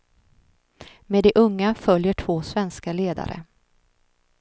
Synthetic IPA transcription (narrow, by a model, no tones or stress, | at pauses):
med̪ɛʔɵŋːafœljəʈʰvoːsvɛnskaleːd̪a̰ɾə̰